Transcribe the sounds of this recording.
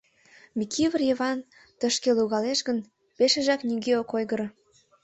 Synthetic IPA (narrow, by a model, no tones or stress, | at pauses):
mʲikiβərjeβɑn | t̪əʃkeluɣɑleʃɣən | peʃeʒɑknʲyɣeokojɣəɾ